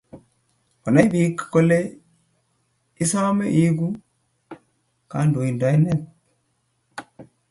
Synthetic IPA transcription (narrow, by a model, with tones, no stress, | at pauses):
ko˨na˦jbi˦kkːo˦˨le˦ | i˦sa˦me˦ʔi˦ɡu˦ | ka˨˦ndo˨i˨ndɔ˨i˦ne˦t̚